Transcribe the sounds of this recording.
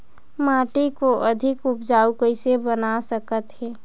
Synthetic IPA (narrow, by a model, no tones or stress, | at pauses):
maːʈikoʔəd̪ʱɪkʊpd͡ʒaːukəɪsebənasəkət̪ɦɛː